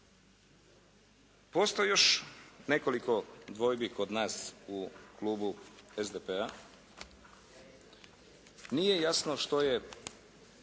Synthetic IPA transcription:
post̪ojjo̞ʃne̞ko̞liko̞d̪ʋo̞jbiko̞d̪naːsukluːbuezd̪epea | nije̞jasnoʃt̪o̞je̞

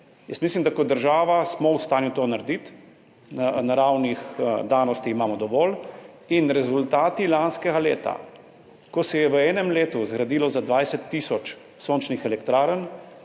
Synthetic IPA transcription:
jəsmislimd̪akɔd̪əɾʒaːʋasmɔwst̪aːnjut̪oːnaɾd̪it̪ | nanaɾawnixd̪aːnɔst̪iimaːmɔd̪ɔʋɔːl | inɾɛzult̪aːt̪ilanskɛɡaleːt̪a̰ | kɔsɛjɛʋəɛːnɛmleːt̪uzɡɾad̪iːlɔzad̪ʋajsɛt̪ːiːsɔt͡ʃ | soːnt͡ʃnixɛlɛkt̪ɾaːɾən

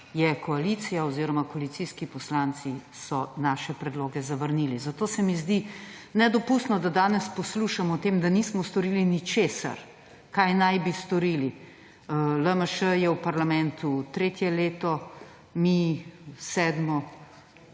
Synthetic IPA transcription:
jɛkɔalit̪sijaoziːɾɔmakɔalit̪siskipɔslant̪si | sɔnaːʃɛpɾɛd̪loːɡɛzaʋəɾnilizat̪oːsɛmizd̪inɛd̪ɔpust̪nɔd̪ad̪aːnɛspɔsluʃamɔt̪eːmd̪anismɔst̪ɔɾilinit͡ʃeːsa̰ɾ | kajnajbist̪ɔɾili | ləməʃəjɛwpaɾlamɛnt̪ut̪ɾeːt̪jɛleːt̪ɔ | misɛːd̪mɔ

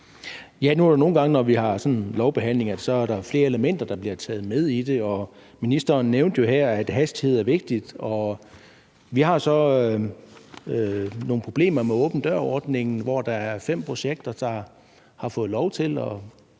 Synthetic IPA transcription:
jænuæɐɾeno̝ːn̩ɡɑ̈ŋənɒʋihɑ̈sɒ̽nlɒʊb̥e̝ɦæn̰le̝ŋɐd̥e̝sɒ̽æɐɾɑ̈fle̝ːɐe̝ləmen̰d̥ɐd̥ɑ̈b̥liɐt͡sʰɛ̰ːð̞̩ˠmeð̞ˠid̥e̝ɒ̽ | minisd̥ɐːnːeʊnd̥jo̝ɦæɐ̰æd̥ɦæsd̥ihe̝ð̞̰ˠæɐʋe̝ɡ̥̚d̥id̥ɒ̽ | ʋihɑ̈sɒ̽ | no̝ːn̩pʰʁo̝b̥le̝̰ːmɐmeɔ̰̽ːb̥n̩d̥ɶɐ̰ɒːd̥ne̝ŋn̩ʋɒd̥ɑ̈æɐfem̰pʰʁo̝ɕeɡ̥̚d̥ɐd̥ɑ̈ | hɑ̈fɔ̽ːð̩ˠlɒʊt͡sʰe̝lɒ

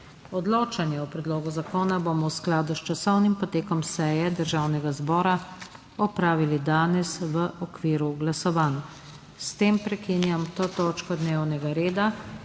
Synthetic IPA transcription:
ɔd̪loːt͡ʃanjɛɔpɾɛd̪loːɡuzakoːnabomɔwsklaːd̪ust͡ʃasɔwnimpɔt̪eːkɔmsɛjɛd̪əɾʒawnɛɡazbɔːɾa | ɔpɾaːʋilid̪aːnɛsʋəʔɔkʋiːɾuɡlasɔʋaːnu | st̪eːmpɾɛkinjamt̪ot̪oːt͡ʃkɔd̪newnɛɡaɾeːd̪a

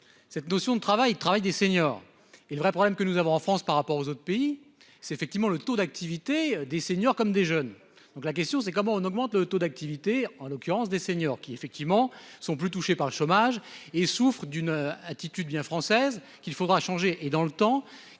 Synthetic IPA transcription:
sɛt̪nɔsjɔ̃d̪ət̪χavaj̪ət̪χavajd̪eseɲɔːʁ | eləvʁɛpχɔblɛmkənuzavɔ̃ɑ̃fχɑ̃spaʁːapɔʁozot̪χə̥pei | sɛt̪efɛk̚t̪ivmɑ̃lət̪od̪ak̚t̪ivit̪ed̪eseɲjɔʁkɔmd̪eʒœn | d̪̥ɔ̃klak̬ʲɛst̪jɔ̃s̬ɛkɔmɑ̃ɔ̃nɔɡmɑ̃t̪lət̪od̪ak̚t̪ivit̪eɑ̃lɔkʲyʁɑ̃sd̪eseɲɔʁkʲiefɛk̚t̪ivmɑ̃sɔ̃plyt̪̬uʃepaʁləʃomaʒesufχəd̪ynat̪it̪yd̪bjɛ̃fχɑ̃sɛz | kʲilfod̪ʁaʃɑ̃ʒeʔed̪ɑ̃lət̪ɑ̃

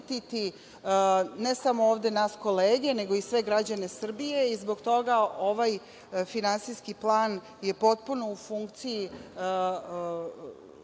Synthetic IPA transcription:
t̪it̪i | ne̞samo̞oːʋd̪e̞nasko̞leːɡe̞ne̞ɡo̞isʋe̞ɡɾad͡ʑane̞sr̩bije̞izbo̞ɡt̪o̞ɡaʔo̞ʋaj | finansijskiplˠaːn | je̞po̞t̪̚puno̞ufuŋkt̪siji

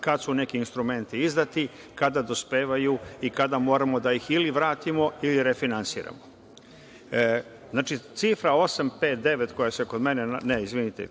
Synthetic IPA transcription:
kad̪sunekiːnst̪ɾume̞nt̪iizd̪at̪i | kad̪ad̪o̞speːʋajuikad̪amo̞ːɾamo̞d̪ajixiliʋɾaːt̪imo̞iliɾefinansḭːɾa̰mo | znaːt͡ʃit̪sifɾao̞sampe̞ːt̪̚d̪e̞ʋet̪kojaseko̞d̪me̞neneizʋinit̪ḛ

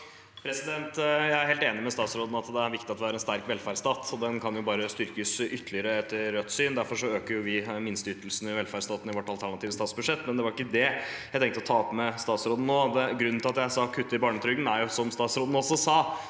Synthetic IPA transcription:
pʰɾɛsɪd̪ɛnt̪jæɪæɾheːlt̪eːnɪmɛst̪ɑːt̪sɾoːd̪n̩ɑt̪d̪ɛæɾʋɪkt̪ɪɑt̪ʋɪæːɾɛnst̪æɾkʋɛlfæːɾst̪ɑːt̪ʰɔd̪ɛnkʰɑnjʊbɑːɾəst̪ʏɾkəsʏt̪ʰːlɪəɾəɛt̪ʰːəɾːœt̪ːsyːnd̪æɾfɔɾʂɔøːkəɾjʊʋɪmɪnst̪əʏt̪ːəlsn̩ɪʋɛlfæːɾst̪ɑːt̪n̩ɪʋɔʈːɑlt̪ʰæɳɑt̪ʰiːʋəst̪ɑːt̪sbʉʂɛt̪ːmɛnd̪ɛʋɑɾɪkːəd̪ɛjæɪt̪ɛŋkt̪əɔt̪ʰɑːɔpmɛst̪ɑːt̪sɾoːd̪n̩noːd̪ɛɡɾʉnn̩ɪlɑt̪jæɪsɑkʰʉt̪ːəɪbɑːɳət̪ʰɾʏɡənæɾjʊsɔmst̪ɑːt̪sɾoːd̪n̩ɔsɔsɑː

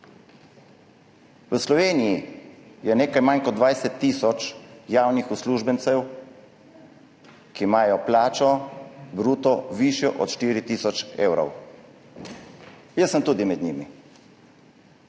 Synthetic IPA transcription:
wəslɔʋeːnijijɛneːkajmankɔd̪ʋajsɛt̪ːiːsɔt͡ʃjaːwnixusluːʒbənt̪sɛw | kimaːjɔplaːt͡ʃɔbɾuːt̪ɔʋiʃjɔʔɔt̪ʃt̪iːɾit̪iːsɔt͡ʃḛːwɾɔ̰w | jəsəmt̪uːd̪imɛd̪ɲimi

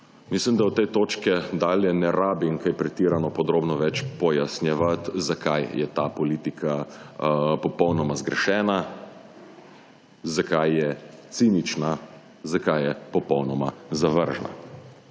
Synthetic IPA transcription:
mislimd̪awt̪ɛjt̪oːt͡ʃkɛd̪aːljɛnɛɾaːbiŋkajpɾɛt̪iːɾanɔpɔd̪ɾoːbnɔʋɛt͡ʃpɔjasnjɛʋat̪zakajjɛ̰t̪aːpɔliːt̪ikʰa | pɔpɔwnɔmazɡɾɛʃɛːna | zakajːɛt̪sinit͡ʃna | zakajjɛpɔpɔwnɔmazaʋəɾʒna̰

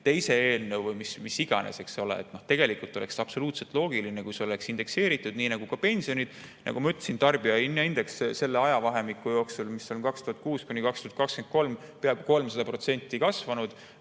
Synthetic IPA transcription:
t̪e̞jse̞e̞ːlnɤwvɯjmismisːiɡ̥ɑ̰nʔḛse̞kso̞lḛḛt̪no̞ht̪e̞ɡ̥e̞likult̪ːˑo̞le̞ksɑb̥so̞luːt̪se̞lt̪ˑlo̞ːɡilinekujseo̞le̞ksind̪̥e̞kse̞ːɾit̪ːˑud̪̥niːnɑɡ̥ukɑpe̞nʲsio̞nʲid̪̥nʔɑ̰ɡ̥umɑyt̪ːˑesint̪ɑrb̥iɑinːɑind̪e̞ksse̞lːeɑjɑvɑɦe̞mikːˑujo̞ːksulmisːo̞nkɑkst̪uhɑt̪̚kuːskunʲikɑkst̪uhɑt̪̚kɑkskent̪̚ko̞lmpeɑb̥ko̞lmsɑd̪ɑpro̞t̪se̞nʲt̪ːˑikɑsvɑnud̪̥

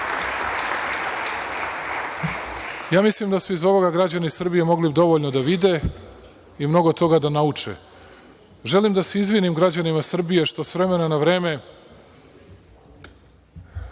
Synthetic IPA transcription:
jaːmislimd̪asmoizo̞ʋo̞ɡaɡɾad͡ʑanisr̩bije̞mo̞ɡlid̪o̞ʋo̞ʎno̞d̪aʋid̪e̞ | imno̞ɡo̞t̪o̞ɡad̪anaut͡ʂḛ | ʒe̞limd̪aseizʋinimɡɾad͡ʑanimasr̩bije̞ʃt̪o̞sʋɾe̞me̞nanaʋɾe̞ːme̞

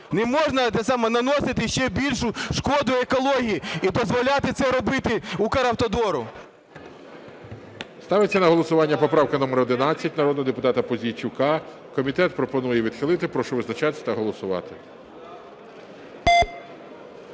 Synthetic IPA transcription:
nɛmɔʒnɐt̪ɛsɑmɛnɐnɔsɪt̪ɪʃt͡ʃɛbʲilʲʃʊʃkɔd̪ʊekɔlˠɔɦʲijiid̪ɔzʋɔlʲat̪ɪt̪sɛɾɔbɪt̪ɪukɐɾɐwt̪ɔd̪ɔɾʊ | st̪ɑʋɪt͡sʲːɐnɐɦɔlˠɔsʊʋɑnʲːɐpɔpɾɑwkɪnɔmeɾɔd̪ɪnɑt͡sʲːɐtʲnɐɾɔd̪ɦɔd̪epʊt̪ɑt̪ɐpɔzʲijt͡ʃʲʊkɑ | kɔmʲit̪ɛt̪̚pɾɔpɔnujɛʋʲid̪xɪlˠɪt̪ɪpɾɔʃɔʋɪznɐt͡ʃɑt̪ɪ̥st̪ɐɦɔlˠɔsʊʋɑ̰t̪ɪ

